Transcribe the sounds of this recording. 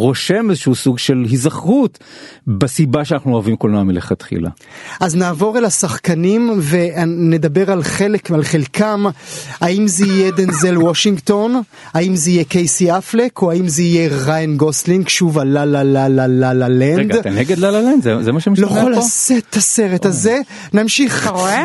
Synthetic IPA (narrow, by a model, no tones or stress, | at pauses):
ʁo̞ʃemezeʃuusuɡʃelɦizaχʁut̪ | besibaʃeanaχnuoavimkolnamileχat̪χḭla̰ | ʔaznaːvo̞ʁelasaχkanimve̞ne̞d̪abe̞ʁalχelekalχe̞lkʰamaimzeijed̪enzelwoʃiŋɡt̪o̞n | aimzeijekejsiaflekʰoaimzeijeʁajanɡosliŋɡʃuvalalalalalalalend̪neɡed̪lalalend̪zezemaʃemloolasettʰːase̞ʁe̞taze̞ | namʃiχ